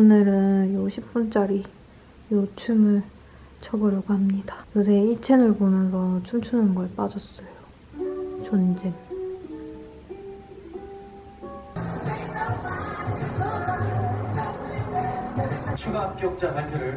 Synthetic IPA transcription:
onɯɾɯnjoɕʰip̚p͈unt͡ɕ͈aɾi | jot͡ɕʰumɯɭ | t͡ɕʰʌbʌɾjʌɡoɦamɲidajosʰeit͡ɕʰenɯɭponʌnsʰʌt͡ɕʰumt͡ɕʰunɯnɡʌep͈ad͡ʑʌs͈ʌjo | t͡ɕʌnd͡ʑem | t͡ɕʰuɡap̚k͈jʌk̚t͡ɕ͈atʰapʰjʌɾɯɭ

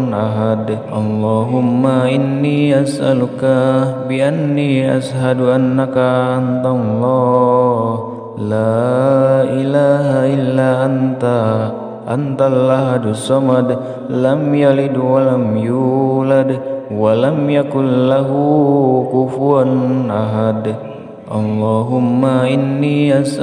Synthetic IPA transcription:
nʔaɦad̪ʔɑ̰lˤːɑɦʊmːaʔinːiːʔasʔalukabiʔanːiːʔasɦaduʔanːakaʔant̪alˤːɑ | h | la | ʔilaɦaʔilːaːʔant̪a | ʔa̰nt̪alʔaɦad̪usamad̪ | lamjalid̪walamjuːlad̪walamjakʊnlaɦukufuɾanʔaɦad̪ | ʔɑ̰lːɑːɦʊmːaʔinːiʔas

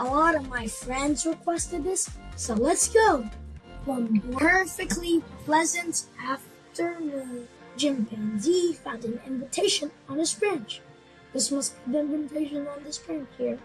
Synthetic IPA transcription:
əlɔɾʌvmaɪfɹɛ̃ndzɹɨkʰw̥ɛstɨd̪̚ðɪsːoʊlətsɡ̥oʊwʌ̃npʰɜ˞fɨk̚tˡlipʰl̥ɛzɨ̃ntæf | tʰə˞wɨ̃n | d͡ʒɪ̃mpʰæ̃ndifãʊ̃ndɨ̃nɪ̰̃ɱvɨtʰeɪʃɨ̃nə̃n̩ɨz̥fɹɛ̃nt͡ʃ | ðɪsmʌst̚vbɨ̃nvɨ̃ɱɨtʰeɪʃɨ̃n̩ə̃n̩ðɪsfɹæ̃nt͡ʃhiɹ

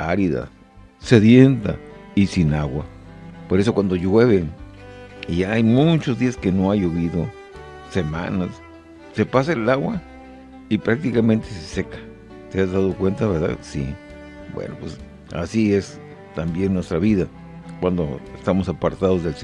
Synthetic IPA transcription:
aɾiða̰ | seðjent̪a̰isinaɣwapoɾesokwand̪ojweβe | iʝaajmut͡ʃozd̪iaskenoajoβiðo | sema̰nas | sepas̬aelaɣwa | ipɾak̚t̪ikamẽnt̪esesekḁ | t̪eazðaðokwent̪aβeɾða̰ðsḭ | bwḛnopwḛs | a̰sies | t̪ambjenːwest̪ɾaβiða | kwand̪oest̪amosapaɾt̪aðozðels

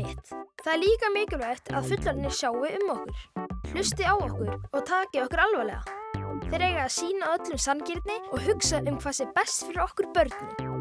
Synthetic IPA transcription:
t̪θaðɾliːkamɪːcʏlvajht̪ʰa̰ðfʏt̪laɾnːɪ̥sjaːwɪʏmːɔhkʏɾ̥l̥ʏst̪ɪawɔhkʏɾɔɣt̪ʰaːcɪɔhkʏɾalvalɛ̰ɣa̰θɛɾejɣaːðsiːnaðœt̪lʏmsancɪɾt̪nɪɔɣɦʏksaʔʏmkʰv̥aːsɪpɛst̪fɪɾɪɾɔhkʏɾ̥pœɾt̪nɪ

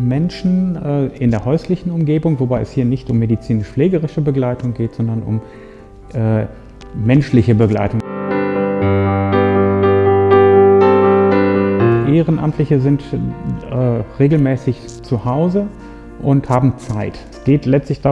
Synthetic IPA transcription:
mɛnʃn̩ʔɛːɪndeːɐɦɔʏslɪçn̩ʊmɡeːbʊŋvobaɪɛ̰shiːɐnɪçtʊmːedit͡siːnɪʃfleːɡəʁɪʃəbəɡlaɪtʰʊŋɡeːtz̥ɔndɐnʔʊ̰m | ʔɛː | mɛnʃlɪçəbəɡla̰ɪtʊŋ | ʔeːʁənʔa̰mtʰlɪçəzɪnt | ɛːʁeːɡl̩mɛːsɪç | t͡suhaʊzə | ʔʊnthaːbm̩t͡saɪtɛsɡ̥eːtlɛt͡stlɪçd̥a

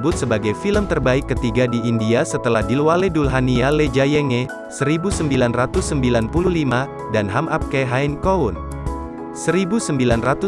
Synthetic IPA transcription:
bʊt̪̚səbaɡajfiləmt̪ərbaikːət̪iɡadiːndiasət̪əlahdilwalɛdulɦanialed͡ʒajɛŋɛ | səɾibusəmbilanrat̪usːəmbilanpululima | danɦamap̚keɦainkoun | səɾibusəmbilanrat̪u

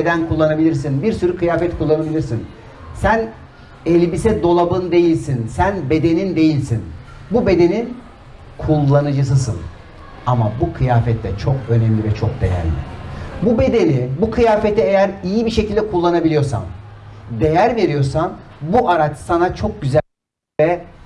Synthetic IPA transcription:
ed̪ænkʰulˠːanabilʲiɾs̬inbiɾsyɾykʰɯjaːfɛt̪kʰulˠːanabilʲiɾsin | sæn | ɛlʲbisɛd̪o̞lˠabɯnd̪e̞jilʲsinsænbe̞d̪e̞nind̪e̞jilʲsin | bube̞d̪e̞nin | kʰulˠːanɯd͡ʒɯs̬ɯs̬ɯ̰n | amabukʰɯjaːfɛt̪ʰlːɛt͡ʃʰo̞kø̞nɛmlʲivɛt͡ʃʰok̚d̪e̞̰jæ̰ɾlʲɪ̰bube̞d̪e̞nibukʰɯjaːfɛt̪ʰɛejæɾijibiʃe̞cʰilʲd̪ɛkʰulˠːanabilʲijoɾsa̰md̪e̞jæɾve̞ɾijo̞ɾsambuʔaɾat͡ʃsanat͡ʃʰo̞k̚ɟyzæ | ɛ

